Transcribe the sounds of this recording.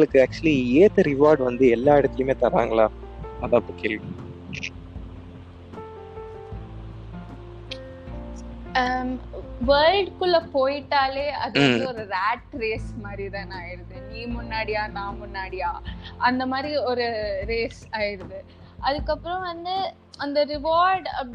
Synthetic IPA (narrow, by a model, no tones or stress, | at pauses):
ŋɡɐɭɯkːɯæk̚t͡ʃlieːt̪ɐɾɪʋaːɾɖʋɐnd̪ɯɛlːaːɛɽɯt̪ːɐljɯmeːt̪ɐɾa̰ːŋɡɐɭaː | ɐðãːpːɐkɪl | ʋɐːɭɖkɯɭːɐpoːjɪʈːaːleːɐðɯʋɐnd̪ɯɔɾɯɾaːʈɾeːsmaːd̪ɾit̪ãːnaːjɪɾɐðɯniːmʊnːaːɽɪjaːnãːmʊnːaːɽɪjaːʔɐnd̪ɐmaːd̪ɾiɔɾɯɾeːsaːjɪɾɐðɯ | ɐðɯkːɐpːɯɾɔ̃ʋɐnd̪ɯ | ɐnd̪ɐɾɪʋaːɾɖɐ̰